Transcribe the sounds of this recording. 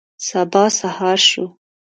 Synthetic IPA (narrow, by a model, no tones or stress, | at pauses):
sabɑsahɑɾʃu